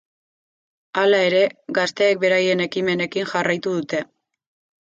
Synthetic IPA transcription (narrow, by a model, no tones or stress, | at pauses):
alae̞ɾe̞ɡast̪e̞ːk̚be̞ɾaje̞ne̞kime̞ne̞kiŋxarajt̪uð̞ut̪e̞